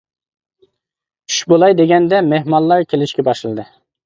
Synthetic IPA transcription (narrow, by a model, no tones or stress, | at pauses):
y̥ʃbolˠɑjd̪eɡʲɛnd̪ɛmehmɑlˠːɑɾkʲʰelɪʃkʲɛbɑʃlɨd̪ɨ